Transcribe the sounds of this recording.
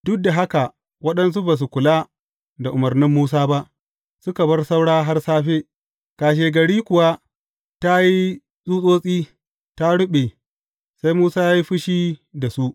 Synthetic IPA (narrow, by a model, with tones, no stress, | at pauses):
dʊ˦k̚da˨ɦa˦ka˨ | wɐ˦ɗɐ˦ns̬u˦baː˨s̬u˨kʷʊ˨la˦ | da˨ʔʊ˨mɐ˨rnɪ˦mːuː˦s̬aː˦ba˦ʔ | sʊ˦ka˨bɐ˦rsa˦wɽaː˦ɦa˦rsaː˦ɸeː˦ | kaː˨ʃ̬eː˨ɡɐ˨ɽiː˦kʊ˨wa˦ | ta˦ji˦ | sʼuː˦sʼoː˦sʼiː˦ | ta˦ɽʊ˦ɓe˨ | sa˦jmuː˦saː˦jaː˦ji˦ɸʊ˦ʃiː˦da˨su˦ʔ